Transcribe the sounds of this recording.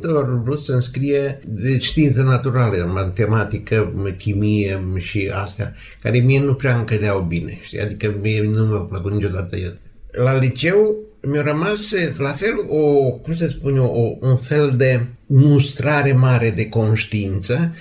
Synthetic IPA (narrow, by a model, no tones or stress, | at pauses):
t̪orbusənskɾied̪eʃt̪int̪sənat̪uɾalemat̪emat̪ikəkimieʃia̰st̪eja̰ | kaɾemienupɾeaŋkəd̪eawbineʃt̪ia̰d̪ikəmienumawpləkut̪nit͡ʃod̪at̪ə̰jet̪ | lalit͡ʃew | meoɾəmaslafelokumsəspunʲoounfeld̪emust̪ɾaɾemaɾed̪ekonʃt̪iint̪sə